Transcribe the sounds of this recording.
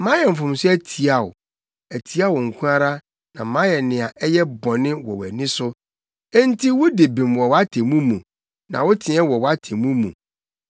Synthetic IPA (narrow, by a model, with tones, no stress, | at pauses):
mã˦jɛ˨m̩˨fʊ̃˨m˦sʊ˦æ˦˨tʰi˨a˨ʊ̰˨ | æ˨tʰi˨˦a˦wɔ˨ŋ̩˨kʰũ˦a˦ɾa˦ | nã˨˦mã˦jɛ˨nɪ̃˨a˨ʔɛ˦jɛ˦bɔ̃˨nɪ̃˦wɔ˨wæ̰˨nɪ̃˦sʊ̃˦ | n˦tʰi˦wʊ˦de˨bĩ˨mwɔ˨wa˦tʰe˨mũ˦mũ˨ | nã̰˨wʊ˦tʰɪ̃˨ɛ˦wɔ˨wa˦tʰe˨mũ˦mṵ̃˨